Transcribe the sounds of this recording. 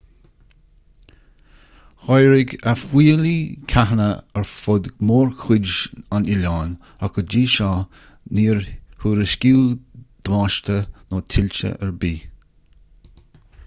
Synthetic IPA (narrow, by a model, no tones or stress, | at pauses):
hɔjɹɪɡafwiːlikʰaɦnəəɹfʊd̪moːɹkʰʊd͡ʒanɪlaːn | akəd͡ʒiːʃɑ | niːɹhuːɾəskiːd̪̥waːʃt̪ənoːtʰɪlʲt͡ʃə̰ʔəɹbiː